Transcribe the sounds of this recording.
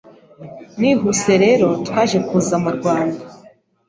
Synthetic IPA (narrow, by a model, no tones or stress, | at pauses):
niɦuse̞ɾe̞ɾo̞twaːʒe̞kuːzamuɾɡwaːnda